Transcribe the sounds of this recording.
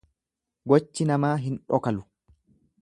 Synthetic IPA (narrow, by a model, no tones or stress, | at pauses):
ɡɔt͡ʃːɪnɐmaːɦɪnᶑɔkɐlʊ̥